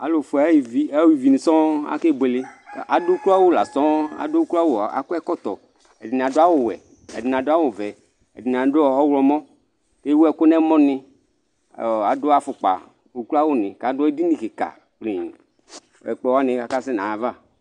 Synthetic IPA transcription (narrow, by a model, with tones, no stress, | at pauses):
a˨lo˨fu˨a˨˦i˨vi˦a˦wi˨vi˨ni˨sɔ̃˦a̰˦ke˦˨be˨lɪ˦˨ʔa˨do˦kla˦wo˦la˨sɔ̃˦a̰˨do˦kla˦wo˦˨a̰˨ko˦ɛ˦kɔ˦t̪ɔ˨ | ɛ˨di˨n˨a˨do˦a˦wʊ˨wɛ̰˨ | ɛ̰˨di˨n˨a˨do˦a˦wo˨vɛ˨ | ɛ̰˨di˨n˨a˨do˦ɔ˦˨ɔ˦wlɔ˨mɔ̃˦ | ke˦wo˦ɛ˦ko˦nɛ̃˦mɔ̃˦nɪ̃˦˨ | a˨do˦a˦fʊ˨k͡pa̰˨ | wu˦klu˦a˦wo˦nɪ̃˨ka˨dɔ˦i˦di˦nĩ˨ke˨ka̰˨ | k͡pli˨ | ɛ̰˨k͡pɔ˦wa˦nɪ̃˨a˨ka˦sɛ˦nã˨a˨va˦˨